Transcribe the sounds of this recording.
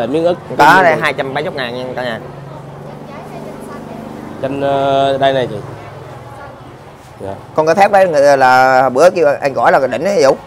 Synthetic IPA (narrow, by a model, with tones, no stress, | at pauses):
e˨˧˩mi˨˦ənʔɨ˦˥k̚kɔ˨˦na˧jɦaː˧jt͡ɕa˧mɓa˧jt͡ɕɔ˦˥k͡p̚ŋaː˨˩nɲa˧kɔ˨˦ɲa˨˩ | t͡ɕe˧n˧ɗa˧jna˨˩jt͡ɕi˨˩ | a˨˩kɔ˧nkːt̪ʰɛ˦˥k͡p̚ɗə˨˦jŋɨ˨˩˨laː˨˩˨ɓɨ˨˦əki˧wʔa̰˧jŋɣɔ̰˧˩jlaː˨˩ŋ˨˩ɗï˧˩ŋ̟ə˨˧zṵ˧˥˦